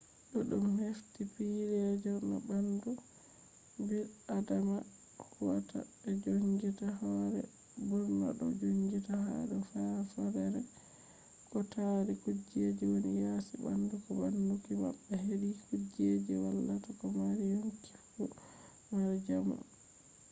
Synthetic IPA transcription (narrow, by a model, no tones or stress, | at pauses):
ɗɔɗumheftipiɾɛd͡ʒɔɾna̰bandu | biɾadama | huwa̰ta̰ɛd͡ʒoŋɡitahɔɾɛ̰ | buɾna̰ɗɔ̰d͡ʒoŋɡitaha̰dɔfafɔɾɛɾɛ | kɔtaɾikud͡ʒed͡ʒiwonijasiba̰ndukɔbandukima̰bːɛheɾikud͡ʒed͡ʒiwalːatakɔmaɾijoŋkifːu | maɾd͡ʒamṵ